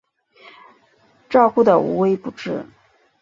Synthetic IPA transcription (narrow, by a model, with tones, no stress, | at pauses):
ʈ͡ʂɑ˥˧ʊxu˥˩d̪ə˨ṵ˧˥we˧˥ɪpu˧˩ʈ͡ʂɻ̩˥˩